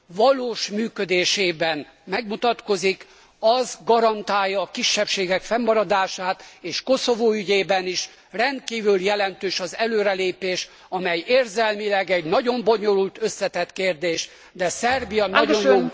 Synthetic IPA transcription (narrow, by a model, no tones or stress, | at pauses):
vɒloːʃmyːkød̪eːʃeːbɛn | mɛɡmut̪ɒt̪ko̞zik | ɒzɡɒɾɒnt̪aːjːɒːkiʃːɛpʃeːɡɛkfɛmːɒɾɒd̪aːʃaːt̪eːʃko̞so̞voːyɟeːbɛniʃ | rɛnt̪̚kiːvyljɛlɛnt̪øːʃɒzɛløːɾɛleːpeːʃ | ɒmɛjeːrzɛlmilɛɡɛɟnɒɟo̞mbo̞ɲo̞lult̪ø̞sːɛt̪ɛt̪keːrd̪eːʃ | d̪ɛsɛrbijɒnɒon